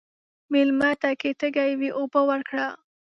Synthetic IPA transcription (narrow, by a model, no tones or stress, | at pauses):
mɪlmat̪aket̪əɡajwiʔobəwəɾkɽa